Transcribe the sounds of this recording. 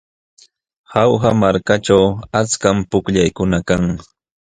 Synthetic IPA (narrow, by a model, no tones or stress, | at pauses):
xawxamaɾkaʈ͡ʂawat͡skampʊkʎajkʊnakaŋ